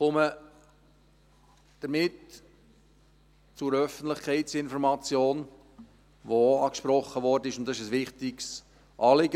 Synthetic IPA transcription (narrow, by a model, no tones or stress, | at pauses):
χɔmə | d̥əɾmɪt | t͡sʊɾœfəntləχkʰɛɪtt͡sɪnfɔɾmɑt͡sjoːn | voɑːkʃpɾɔχːəʋɔrdənɪʃʊnt̚dɑsɪʃəsʋɪχtɪks | ʔɑːlɪɡə